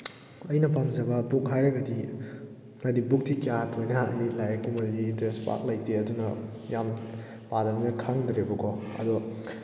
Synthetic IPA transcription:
ɐjnɐpamzɐbɐbuk̚ɦajɾɐɡɐdi | ŋɐdibuk̚tikjatʰojnɐɐ̰jlajɐkomɐddiːntɾespa̰k̚lɐjteɐdunɐ | jam | padɐminɐkʰaŋdɾebɐkɔɐ̰dɔ

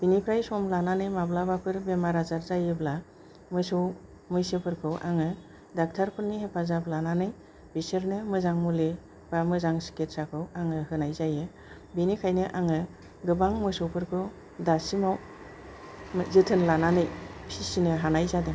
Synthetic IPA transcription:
b̥inipʰɾajsɔmlananɯjmablabapʰɯɾbemaɾazaɾzajɯbla | mɯsɯw | mɯjsɯpʰɯɾkʰɯwʔa̰ŋɯ | dak̚tʰaɾpʰɯɾnihepʰazaplananɯj | b̥isɯɾnɯmɯzaŋmule | b̥amɯzaŋsi̥ket̚sakʰɯwaŋɯɦɯnajzajɯ | benikʰajnɯʔaŋɯ | ɡɯbaŋmɯsɔwpʰɯɾkʰɯw | dasimaw | zɯtʰɯnlananɯjpʰisinɯɦanajzadɯ

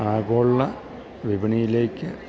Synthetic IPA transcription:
aːɣoːɭːɐ | ʋibɐɳijile̞ːkːɨ

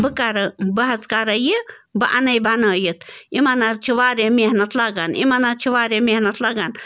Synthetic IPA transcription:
bɨkaɾɐbɐɦɐt͡skaɾɐjibɨʔa̰nɐjbʱanajit̪ʰimanaɾt͡ʃʰiʋaːɾemeɦnɐt̪ʰlaɡanḭmanat͡ʃʰiʋaːɾemehnɐt̪ʰlaɡan

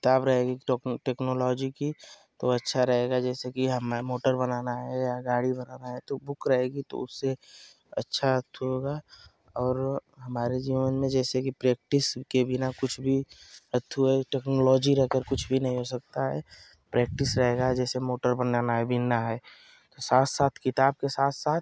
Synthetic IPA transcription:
kɪt̪aːbɾɐɦeːɡiʈeːknoːlɔːd͡ʒiki | t̪oɐtːʃʰaɾɐɦeːɡad͡ʒɛːsekiɦɐmmoːʈəɾbɐnaːnaɦɛjaɡaːɽibɐnaːnaɦɛt̪obʊkɾɐɦeːɡit̪o̰ʊsːe | ɐtːʃʰaɦɐt̪ʰːɦoːɡa | ɔːɾɦɐmaːɾed͡ʒiːʋənmẽd͡ʒɛːsekipɾɛːk̚ʈɪskebʱɪnakʊt͡ʃʰbʱiət̪ʰːuɛʈɛːknɔlɔːd͡ʒiɾɛɦkəɾkʊt͡ʃʰbʱinɐɦĩɦoːsɐk̚t̪aɦɛ | pɾɛːk̚ʈɪsɾɐɦeːɡad͡ʒɛːsemoːʈəɾbənaːnaɦɛbʱinaɦɛː | t̪osaːt̪ʰsaːt̪ʰkɪt̪aːb̚kesaːt̪ʰsaːt̪̚ʰ

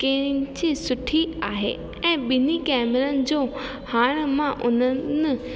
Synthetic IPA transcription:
kɐ̃ɦɪ̃d͡ʑisʊʈʰiaːɦḛ | ɛ̃ːɓɪnikɛːmɾənɪ̆d͡ʑoː | haːɽ̃mãʔʊn̤ənɪ̆

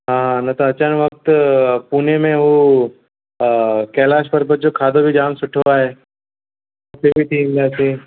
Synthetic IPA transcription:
ɦãːɦãnɐt̪oɐt͡ʃanʋɐk̚t̪puːnemẽʋo | kɛːlaːʃpɐɾbɐt͡ʃokʰaːd̪obʱid͡ʒaːmsʊʈʰoaɦɛː | ʊsebʱit̪ʰiːmd̪aːseː

